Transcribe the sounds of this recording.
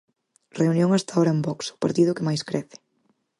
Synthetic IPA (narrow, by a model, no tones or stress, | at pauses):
reunjõŋast̪aoɾɐembɔksʊ̥paɾt̪iðʊkɪmajskɾɛθɪ̥